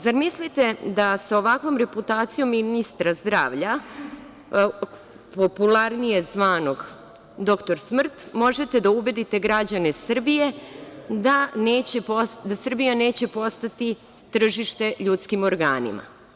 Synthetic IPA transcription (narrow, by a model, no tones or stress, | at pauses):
zaɾmislit̪e̞d̪asao̞ʋakʋo̞mɾe̞put̪aːt̪sijo̞mːinist̪ɾazd̪ɾa̰ːʋʎa | po̞pulˠaɾnije̞zʋaːno̞ɡ | d̪o̞kt̪o̞ɾsmr̩t̪mo̞ʒe̞t̪e̞d̪aube̞d̪it̪e̞ɡɾad͡ʑanesr̩bije̞d̪aneːt͡ɕepod̪asr̩bijane̞ːt͡ɕe̞po̞st̪at̪i | t̪r̩ʒiʃt̪e̞ʎut̪skimo̞ɾɡa̰ːnḭmʔa̰